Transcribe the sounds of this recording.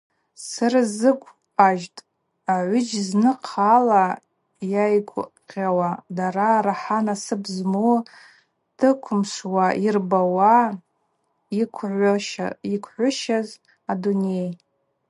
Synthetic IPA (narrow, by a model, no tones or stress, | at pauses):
sɨrɨzɨkʷʼ | aʒtʼ | aʕʷʏd͡ʒznɨqʰala | jajɡʷqʲʼawadaɾaɾaħanasɨbzmu | d̥ɨkʷʰʊmʂwaʔirbawa | ikʷʰʕʷʃikʷʰħʷʊʃaz | adunej